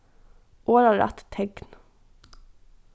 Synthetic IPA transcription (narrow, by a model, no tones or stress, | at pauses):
ʔoːɾɑɾʔæ̰t̪t̪ʰɛɡn